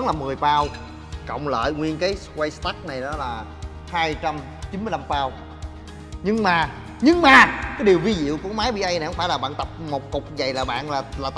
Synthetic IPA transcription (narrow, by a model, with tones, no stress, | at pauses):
nlaː˨˩mɨ˨˩əjfaː˧w | kə̰˧˨wŋ͡mlə̰ː˧˨jŋwi˧ənkaː˨˦jskwaː˧jst̪a˦˥k̚na˨˩jɗɔ˨˦laː˨˩ | haː˧jt͡ɕa˧m | t͡ɕi˨˦nmi˧əjla˧mfaː˧w | ɲɨ˧ŋmaː˨˩ | ɲɨ˧ŋmaː˨˩kaː˨˦jɗi˨˩əwvi˧zḭ˧˨əwku˧˩əmaː˨˦jɓi˧ʔə˧jna˨˩kŋ͡mfaː˧˩jlaː˨˩ɓa̰ː˧˨nt̪ə˨˩p̚mo˨˩t̚kʊ˨˩k͡p̚za˨˩jlaː˨˩ɓa̰ː˧˨nlaː˨˩laː˨˩t̪